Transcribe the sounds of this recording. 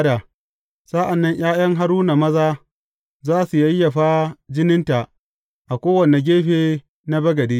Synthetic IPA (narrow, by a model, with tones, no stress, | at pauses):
da˨ | sa˦ʔa˨nːɐ˦ɲj̰aː˦j̰ɐ˦ŋɦa˦ɾuː˦na˨mɐ˦zaː˦ | zaː˦su˨jɐ˦jːɐ˨ɸaː˦d͡ʒɪ˦nɪ˦nta˨ʔ | ʔa˨kʷoː˦wɐ˨ne˨ɡʲeː˦ɸeː˦ | na˦bɐ˦ɡɐ˨deː˦